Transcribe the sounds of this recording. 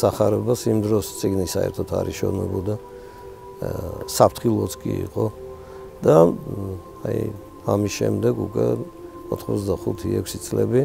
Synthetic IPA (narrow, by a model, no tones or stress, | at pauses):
saχaɾɛbasimd̪ɾɔst̪sʼiɡnisaɛ̰ɾt̪ʰɔt̪ʰaɾiʃɔvnɛbɔd̪a | sapʰt̪ʰχilˠɔt̪sʰkʼiiqʼɔ | d̪a | aj | amisʃɛmd̪ɛɡukʼwɛ | ɔt̪ʰχmɔzd̪aχut̪ʰiɛkʷʰsit̪sʼlɛbi